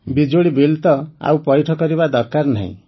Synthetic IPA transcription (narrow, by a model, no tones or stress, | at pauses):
bid͡ʒoɭibilt̪ɔa̰wpɔjʈʰɔkɔɾiβad̪ɔɾkaɾna̰ḭ̃